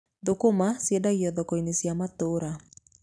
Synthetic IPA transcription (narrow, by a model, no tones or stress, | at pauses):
ðokomasiedaɣiɔðɔkɔinesjamatoːɾa